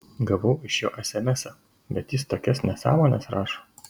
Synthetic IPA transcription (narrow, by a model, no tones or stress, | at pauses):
ɡɐʋɐʊɪʃjo̰ːʔɛsʲɛmʲɛsʲo | bʲɛt̪jɪst̪oːkʲɛsnʲɛsɑ̰ːmoːnʲɛsɾɑːʃoː